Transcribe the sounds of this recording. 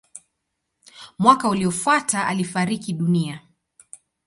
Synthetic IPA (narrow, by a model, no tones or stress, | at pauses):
mwakauliɔfwataʔa̰lifaɾikiɗunia